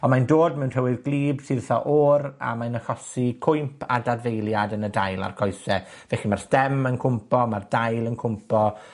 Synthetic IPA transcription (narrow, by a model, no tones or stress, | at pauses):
ɔnmandoːdmɛwnr̥ɛwɪðɡlˠiːbsɪrθɔʔɔra̰majnəχɔsikʰʊjmpʰa̰dadvejlˠjadənədajlˠa̰rkʰɔjsɛ | vɛχimarstɛmənkʰʊmpɔmardajlˠənkʰʊmpʰɔ